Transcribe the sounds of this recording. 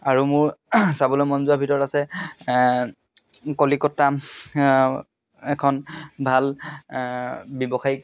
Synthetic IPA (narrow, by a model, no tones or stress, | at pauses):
aɹumʊɹsabɔlojmɔnzuabʱitɔɹɔtasɛ | kɔlikɔtːa | ɛkʰɔnbʱal | bɔbɔxaj